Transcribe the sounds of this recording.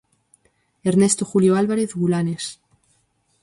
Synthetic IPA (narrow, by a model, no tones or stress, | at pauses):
eɾnest̪oxuljoalβaɾeθɣulanes